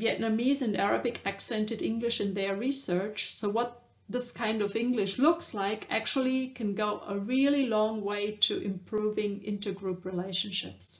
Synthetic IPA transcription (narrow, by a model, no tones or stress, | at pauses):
viɛtⁿnamizɨ̃ndæɹəbɨkʰæksɛ̃ntɨɾɪ̃ŋɡlɪʃɨ̃nðə˞ɹisɜ˞t͡ʃsoʊwʌt̪̚ | ðɪskʰãɪ̃ndʌvɪ̃ŋɡlɨʃlʊkslaɪkʰæ̰k̚t͡ʃul̩ˠikʰɨ̃nɡoʊʔəɹilˠilɔ̃ŋweɪtʰɨʔɪ̰̃mpʰɹ̥uvɪ̃ŋɪ̰̃ntə˞ɡɹupɹileɪʃn̩ʃɪps